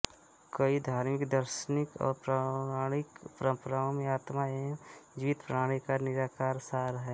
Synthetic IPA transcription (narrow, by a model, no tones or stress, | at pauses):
kəid̪ʱaːɾmɪkd̪əɾʃənɪkɔ̰ːɾpɾaaːɽ̃ɪkpɾə̃mpɾãːõmẽaːt̪maed͡ʒɪʋɪt̪pɾəaːɽ̃ikanɪɾaːkaːɾsaːɾɦɛː